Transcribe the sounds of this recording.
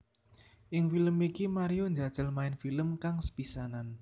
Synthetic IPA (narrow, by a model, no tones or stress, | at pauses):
ʔɪŋfiləmikimaɾijoɲd͡ʒad̥ʒ̥əlmaɪnfiləmkaŋsə̥pisanan